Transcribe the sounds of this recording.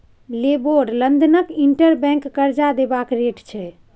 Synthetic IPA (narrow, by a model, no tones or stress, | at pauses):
leboɖlənd̪ənəkiɳʈəɾbɛ̃ŋkːəɾd͡ʒad̪ebakɾeʈt͡ʃʰɛ